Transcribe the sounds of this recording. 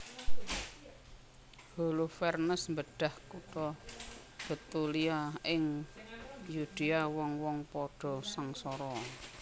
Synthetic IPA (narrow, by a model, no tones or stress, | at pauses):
holufɛrnəsmbəɖ̥a̤hkut̪ɔ | b̥ət̪uliaɪŋ | jud̪̥iawɔŋwɔŋpɔɖ̥ɔ̤saŋsɔɾɔ